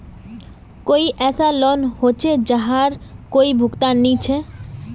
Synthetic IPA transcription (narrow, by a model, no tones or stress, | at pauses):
koiʔɛːsalɔnhot͡ʃʰed͡ʒaɦaɾkoːibʱʊkt̪anĩt͡ʃʰɛ